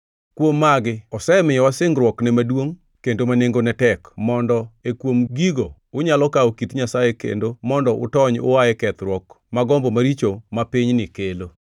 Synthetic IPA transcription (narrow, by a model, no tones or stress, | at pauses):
kwomːaɡɪɔsɛmɪjɔwasɪŋɡɾwɔknɛmadwoŋ | kendomaneŋɡonɛtɛkmɔndɔekwomɡiɡo | ʊɲalɔkaokitɲasajekḛndomɔndɔʔʊ̰tɔɲʊ̰wajɛkɛt̪ɾwɔk | maɡɔmbomaɾit͡ʃomapɪɲnɪkelo